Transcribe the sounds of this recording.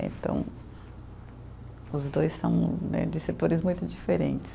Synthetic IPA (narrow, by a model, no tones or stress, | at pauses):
ḛ̃nt̪ɐ̰̃w̃ | ʊzd̪ojssɐ̰̃w̃nɛ̰d͡ʒɪset̪oɾɪzmũj̃t̪ʊd͡ʒifeɾẽnt͡ʃɪ̥s